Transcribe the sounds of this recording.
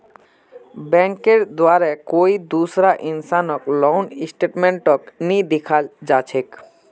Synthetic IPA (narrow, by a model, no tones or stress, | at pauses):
bɛ̃ŋkeɾd̪waɾɛkoid̪usɾaʔinsanɔklɔwnisʈeʈmẽɳʈɔknid̪ikʰald͡ʒat͡ʃʰek